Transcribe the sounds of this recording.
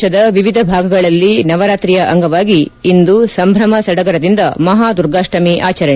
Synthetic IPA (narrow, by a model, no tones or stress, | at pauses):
ɐd̪ɐʋiʋid̪ʱɐbʱaːɡɐɡɐɭɐlːinɐʋɐɾaːt̪ɾijɐʔɐŋɡɐʋaːɡiːnd̪usɐmbʱɾɐmɐsɐɽɐɡɐɾɐd̪ind̪ɐmɐɦaːd̪uɾɡaːʂʈɐmiʔaːt͡ʃɐɾɐɳ